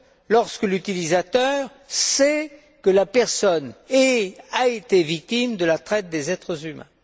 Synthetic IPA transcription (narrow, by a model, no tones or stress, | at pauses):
lɔʁskəlyt̪ilizat̪œʁ | sɛ | kəlapɛʁsɔneaet̪evik̚t̪imd̪əlat̪χɛt̪̚d̪ezɛt̪χəzymɛ̰̃